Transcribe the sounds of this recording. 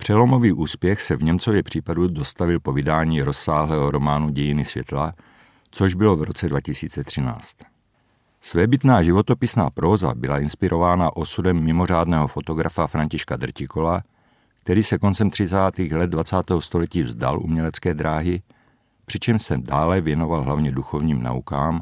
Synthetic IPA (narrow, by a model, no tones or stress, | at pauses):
pr̝̥ɛlo̞mo̞viːʔuːspjɛxsɛvɲɛmt͡so̞vjɛpr̝̥iːpadudo̞st̪avɪlpo̞vɪdaːɲiːɾo̞sːaːɦlɛːɦoɾo̞maːnuɟɛjɪnɪsvjɛt̪la | t͡soʒbɪlo̞vɾo̞t͡sɛdvacɪsiːt͡sɛt̪r̝̥ɪna̰ːt͡st̪ | svɛːbɪt̪naːʒɪvo̞t̪o̞pɪsnaːpɾoːza̰bɪlaɪnspɪɾʔo̞vaːnaʔo̞sudɛmːɪmor̝aːdnɛɦofo̞t̪o̞ɡɾʔafafɾaɲcɪʃkad̪r̩cɪkola | k̚t̪ɛɾiːsɛkont͡sɛmt̪r̥ɪt͡saːt̪iːɣlɛd̪̚dvat͡saːt̪ɛːɦost̪o̞lɛciːvzd̪a̰lʔṵmɲɛlɛt͡skɛːd̪ɾaːɦɪ | pr̥ɪt͡ʃɛmʃsɛdaːlɛvjɛno̞valɦlavɲɛduxovɲiːmna̰ukaːm